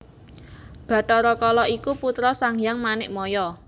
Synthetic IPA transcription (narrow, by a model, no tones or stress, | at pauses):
b̥ä̤ʈɔɾɔkɔlɔikuput̪ɾɔsaŋjaŋmanɪʔmɔjɔ